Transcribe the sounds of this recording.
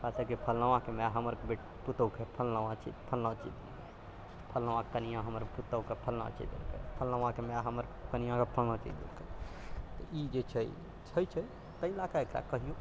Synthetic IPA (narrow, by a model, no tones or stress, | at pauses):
pasekipʰəlnəʋãkemɛ̃ɦəməɾbeʈ | put̪əwkepʰəlnʋãt͡ʃʰḭpʰəlnãt͡ʃḭd̪ | ke | pʰəlnəʋãkənijãɦəməɾput̪əkepʰəlnã̰t͡ʃḭd̪ḛlkḛpʰəlnəʋãkemɛɦəməɾkənijãkepʰəlnãt͡ʃḭd͡ʒd̪ḛlkʰet̪ɔid͡ʒet͡ʃʰə | t͡ʃʰəjt͡ʃʰə | t̪əilakaekɾa̰kəɦijõ